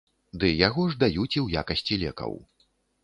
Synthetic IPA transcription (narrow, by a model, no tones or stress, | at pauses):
d̪ɨjaɣɔʐd̪ajut͡sʲiwjakɐsʲt͡sʲilʲɛkɐ̰w